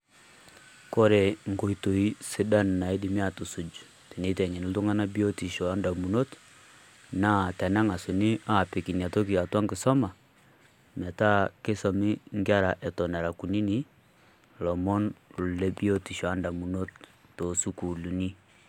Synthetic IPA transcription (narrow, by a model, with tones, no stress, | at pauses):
kɔ˦ɾɛ˨ŋɡo˨i˨to˨i˦sɪ˦da˦n˨na˨i˦dɪ˨mi˦a˨tu˨su˨d͡ʒu˨ | te˨ni˦tɛ˨ŋɛ˨n˨ltu˦ŋa˦na˦bi˦o˦ti˨ʃɔ˨a˦nda˨mu˨no˦t | na˦˨tɛ˨na˦ŋa˨su˨nɪ˦a˨pɪ˨ki˨n˨a˨to˦ki˨a˨ta˦ŋɡɪ˨sɔ˦ma˨ | m˨ɛ˨ta˦ke˦sɔ˨mɪ˦ŋɡja˦ɾa˨ʔɛ˨tɔ˨na˨ɾa˨ku˨ni˦ni˦ | lɔ˨mɔ˦nlu˨lɛ˦bi˦o˦ti˨ʃɔ˨a˦nda˨mu˨no˦tːo˨su˦ku˨lu˨ni˦